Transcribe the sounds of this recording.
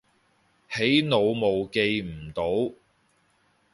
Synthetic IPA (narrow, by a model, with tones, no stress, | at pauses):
he˨˥jno˨˧wmo˨wke˧jm̩˨˩t̪o˨˥w